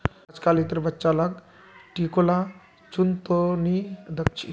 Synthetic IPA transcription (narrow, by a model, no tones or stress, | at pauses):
d͡zkalit̪əɾbətːt͡ʃalak | ʈikola | t͡ʃunt̪onid̪əkt͡ʃi